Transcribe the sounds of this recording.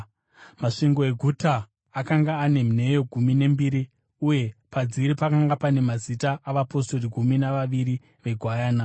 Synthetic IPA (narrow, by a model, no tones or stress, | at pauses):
maʂiŋɡo̞e̞ɡʱutaː | kaŋɡaːne̞mne̞jo̞ɡʱumine̞mbiɾi | uje̞pad͡ziɾipakaŋɡapane̞mazitaaʋapo̞sto̞riɡʱuminaʋaʋiɾi | ʋe̞ɡʱwajaːna